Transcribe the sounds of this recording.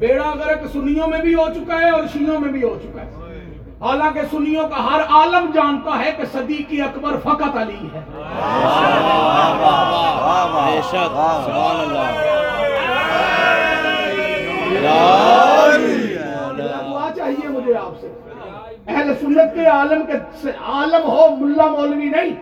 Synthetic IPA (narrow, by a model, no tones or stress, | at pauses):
beːɽaɐɡəɾɐksʊnijõmẽbʱiɦot͡ʃʊkaɦɛɔːɾʃijõmẽbʱiɦot͡ʃʊkaɦɛː | ɦaːlãːkesʊnijõkaɦɐɾaːləmd͡ʒaːnt̪aɦɛkesɐd̪ikiɐkbəɾfʰɐkət̪əliɦɛː | sbaːnlːa | ijaɡʊat͡ʃaːɦiemʊd͡ʒʱeaːpse | ɛɦlsʊnːət̪̚keaːləmkeseaːləmɦomʊlːamoːlninɐĩ